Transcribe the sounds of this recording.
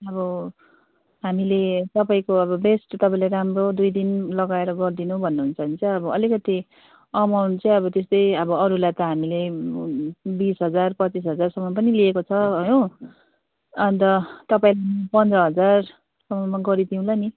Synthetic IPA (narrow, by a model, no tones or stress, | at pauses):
ʌbʌ | ɦamilet̪ʌpaĩkoʌbʌbesʈt̪ʌpaĩlaɾamrod̪ujd̪inlʌɡaeɾʌɡʌrd̪inubʱʌnːuɦunt͡sʰʌunit͡sʌʌbʌʌlikʌt̪i | ʌmawnt͡sʌ̃ʌβʌt̪est̪ʌjʌbʌʌɾulajt̪ʌɦamile | bisɦʌd͡zarpʌt͡sis̬ɦʌd͡zarsʌmːʌp̬ʌniliekot͡sʰʌɦʌjõ | ʌnt̪ʌt̪ʌpaĩlamʌpʌnt͡sʌɦʌd͡zar | sʌmʌmaɡʌɾit̪ʰiũlani